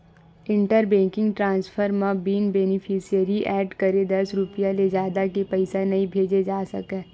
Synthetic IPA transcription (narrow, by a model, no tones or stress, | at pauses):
ɪ̃ɳʈəɾbɛ̃ːkɪ̃ŋɡʈɾãːnspʰəɾmãbiːnbeːnɪpʰisijəɾiʔɛːɖkɐɾed̪ɐsɾʊpijaled͡ʒaːd̪akepɛɪsanɐɦĩbʱeːd͡ʒed͡ʒaːsɐkɛ̃ː